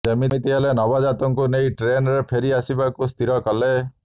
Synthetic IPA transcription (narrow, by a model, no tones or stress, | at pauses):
semiit̪iɦelenɔbad͡ʒat̪ɔŋkunejʈɾenɾepʰeɾiasibakust̪ʰiɾɔkɔle